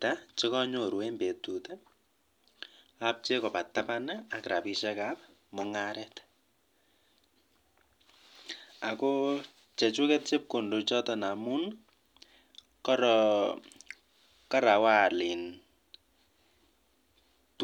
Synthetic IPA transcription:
tat͡ʃɪ˦kɔ˦ɲo˨ɾwe˦mbe˨tu˨tɛ | ap̚t͡ʃe˦kɔ˨pa˨tːapanaa˨kɾʔa˨pi˨ʃɛka˦p̚ | mʊŋaɾɛt | a˨ko | t͡ʃɛ˨t͡ʃu˦kɛt̚t͡ʃe˦p̚ku˨ndo˨t͡ʃɔ˦tɔ˨na˨mu˦n | kɔɾɔ | ka˦ɾa˨wa˦˨li˨n | t

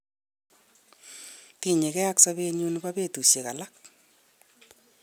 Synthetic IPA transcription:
ti˨ɲe˨kɛ˦aksaβe˦ɲu˦nuba˦be˦˨tu˨sje˨ka̰˨lak̚

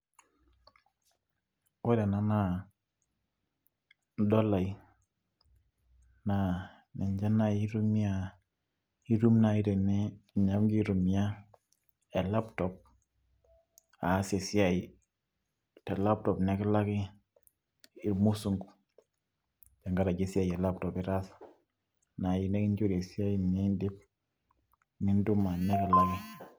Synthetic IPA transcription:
wo˦dɛ˨na˨na˦ | dɔ˦la˨j | na˨ | nɛ˨ɲd͡ʒa˦na˦˨i˦ɾu˦mi˦a˨ | i˦ɾu˦mna˨i˦dɛ˨nɛ˦˨ɲa˦mɡi˦ɾu˨mi˨˦a˦ | e˨la˦ptɔ˨p̚ | a˨˦se˨si˦a˨i˨ | tɛ˨la˦p̚tɔ˨pnɛ˦kɛ˦la˦kɪ˦ | i˨ɾmu˦su˦ŋɡ | d͡ʒa˨ŋɡa˦ɾa˨ɡe˦si˦a˦i˨ɛ˨la˦p̚tɔ˨pi˦ɾa˦s | na˨ji˨nɛ˦ki˦nd͡ʒo˦ɾe˨si˦a˦i˦ni˦ndi˦p̚ | ni˦ndu˦ma˨nɛ˦kɛ˨la˦ki˦

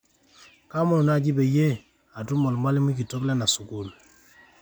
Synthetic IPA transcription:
ka˦mɔ˨na˦˨d͡ʒi˦be˨je˦ | a˨tu˦mɔ˨lma˦li˦mu˦ki˨to˦klɛ˦na˨su˨ku˦˨l

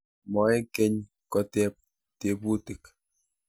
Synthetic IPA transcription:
mɔ˨˦ɛ˦kɛ˦ɲ | kɔ˨tɛ˦p̚ | te˨pu˦tɪ˨k

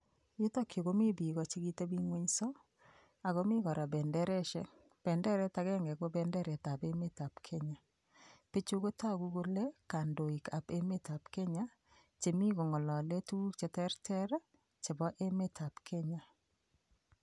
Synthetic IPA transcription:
i˦tɔ˦kjo˨ko˦mɪ˦bi˨ɣɔ˨t͡ʃi˦ɡi˦te˦bi˦ŋwe˦ɲsɔ˦ | a˨ɣo˦mi˦ɣɔ˨ɾa˨bɛ˨ndɛ˦ɾɛ˦ʃɛ̰˨ | b̥ɛ˨ndɛ˦ɾɛ˦ta˨ɣɛ˦ŋɡɛ˨ɡo˦bɛ˨ndɛ˦ɾɛ˨ta˨be˦me˦ta˨pkʰɛ˦ɲa˨ | pe˦t͡ʃo˦ko˦ta˦ɡu˦ɡo˦le˦ka˨ndo˨i˨ka˨pe˦me˦ta˨pkɛ˦ɲa˦ | t͡ʃe˨mi˦ɡo˨ŋɔ˨lɔ˨le˦tu˦k̚t͡ʃe˨tɛ˦ɾtʰɛ˦ɾ | t͡ʃe˨bɔ˦ʔe˦me˦tʰa˨pkʰɛ˦ɲa˨

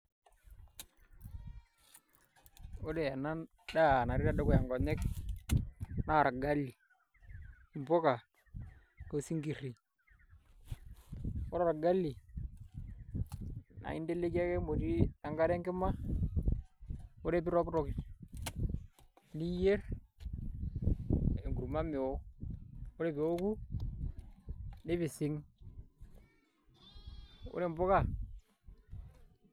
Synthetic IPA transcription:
o˦de˨a˨na˦n | da˦˨na˨ɾɪ˦ɾa˦de˦kʊ˨ja˨ŋɡɔ˨ɲɛ˦k̚ | na˦˨ɾa˨ɡa˦lːi˨ | i˨mpɔ˦ka˨ | ko˨si˦ŋɡi˨ri˨ | o˦ɾa˨ɾa˨ɡa˦lːi˨ | na̰˨i˦nde˦le˦ki˦a˦ke˦mo˨ti˦na˨ŋɡa˦ɾe˦ŋɡɪ˦ma˦ | o˦ɾe˦˨bi˦ɾɔ˦kɾɔ˨k | ni˦je˦r | e˨ŋɡu˨ɾma˦me˨o˦ | o˦ɾe˨bi˨o˦ku˦ | ne˦βi˨sɪ˦ŋ | o̰˦ɾe˨mbo˦ka˦˨

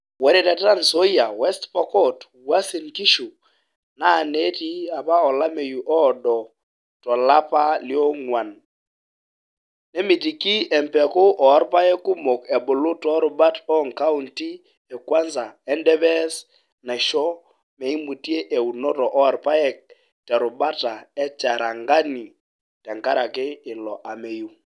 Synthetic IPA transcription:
wɛ˦ɾe˦tɛ˨ta˦nso˦ja˨wɛ˦stpɔ˨kɔ˦˨t | wa˦si˨nki˦ʃu˨ | na˦˨ne˦ti˦a˨pa˦ɔ˨la˦me˨ju˨ʔɔ˦dɔ˨ | tɔ˨la˦pa˦lɪ˦ɔ˦ŋwa˨n | ne˦mi˨t̬i˨ki˦ɛ˨mpɛ˨ko˦ʔɔ˨a˦ɾpa˦ɛ˦kʊ˦mo˨kɛ˨bo˨lʊ˦tɔ˦ɾo˨ba˦tɔ˦˨ŋka˦u˦nti˦ | ɛ˨kwa˦nza˨ɛ˦ndɛ˦βɛ˦s | na˨ʃɔ˦ | mɛ˨i˦mu˨ti˦e˦ʔe˨u˨nɔ˦tɔ˨ʔɔ˦a˨ɾpa˦ɛ˦k̚ | tɛ˨ɾʊ˨ba˦ta˨ɛ˦t͡ʃa˨ɾa˨ŋɡa˦ni˨ | tɛ˨ŋka˦ɾa˨kɪ˦ɪ˨lɔ˨ʔa˨me˨ju˨

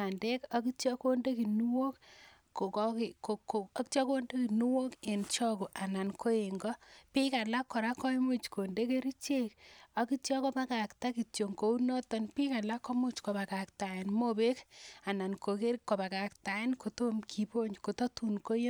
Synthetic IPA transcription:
a˨nde˦ka˦ki˦tɔ˦ko˦nde˦ki˨nu˦wo˦kː | o˨kkɪ˨o˨ko˨kt͡ʃɔ˦ko˦nde˦ki˨nu˦wo˦ke˨nt͡ʃɔ˦ko˨ʔa˨na˨nkʰo˦e˨ŋɡɔ˦pi˦ka˨la˦kːɔ˨ɾa˦kɔ˦imu˦t͡ʃko˨nde˦ke˦ɾi˦t͡ʃe˦ka˨ki˦tjɔ˦ko˦ba˦ka˨kta˦ki˨tjo˨ŋko˨u˦nɔ˦tɔ˦npi˦ka˨la˦kːo˦mu˦t͡ʃko˨ba˨ka˨kta˨je˨nmo˦be˦ka˨na˨nko˨ke˦ɾkːo˨ba˨ka˨kta˨je˦nko˨to˦mkʰi˨po˦ɲko˨to˦tu˨nko˦jo˦

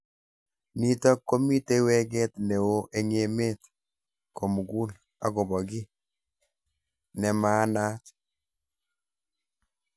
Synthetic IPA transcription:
ni˦tɔ˦kːo˦mi˦te˦wɛ˦ɡɛ˦tne˨wo˦ʔe˦ŋe˨me˦t | ko˨mu˨ɡu˦l | a˦ɡɔ˨bɔ˨ɡi˦ | nɛ˨ma˨˦na˦t

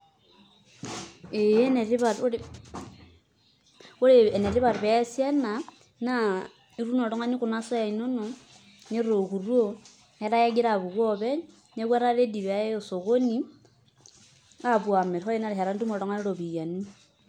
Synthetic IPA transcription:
e˨jene˨ɾi˦βa˨˦ | u˦lee˨ne˨ɾi˦βa˨ɾβe˦sje˦na˨ | na | i˦ɾu˦no˨ɾo˦ŋa˦ni˦ku˨na˦so˦ja˨i˨no˦no˨ | ne˦ɾo˨xu˨rwo˦ | he˦ɾa˦ja˦ɡi˦ɾa˨βu˨βwo˦βe˦ | ne˦kwe˦ɾa˦ɾe˦di˨βa˦jo˨so˨ɣo˦ni˦ | a˦βwa˨me˨ɾxo˦i˦na˦ɾi˨ɦe˨ɾa˦ntu˦mo˨ɾo˦ŋa˦ni˦ɾo˨βi˨ja˨ni˦

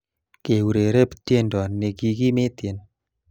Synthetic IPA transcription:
ke˨wu˨ɾe˨ɾe˦pt̪je˦ndɔ˨ne˨ɡi˨ɡi˦me˦t̪je˨n

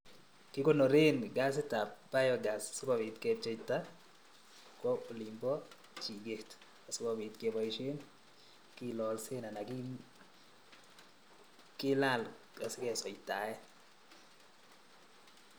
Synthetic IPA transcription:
kɪ˦ko˦no˨ɾe˦nɡa˦s̬ɪ˦ta˨p̚ba˦jɔ˨ɡa˨sasʊ˦kɔ˦˨bɪ˨tke˦t͡ʃe˦ita˦ | kwɔ˦o˨li˨mbɔ˦ | t͡ʃi˨ɡe˨t | a˨sʊ˦kɔ˦bi˨tke˨˦ba˨iʃe˦n | ki˦lɔ˨lse˦na˨na˨ki˦ | kɪ˦la˦l | ɡa˨sɪ˦kɛ˨sɔ˨i˨ta˨ɛ˦

